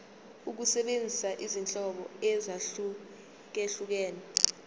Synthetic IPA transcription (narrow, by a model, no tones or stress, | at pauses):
uk̬usɛɓend͡zʱisaʔizint͡ɬʼɔɓɔɛzaɬu | k̬eɬuk̬ɛːnɛ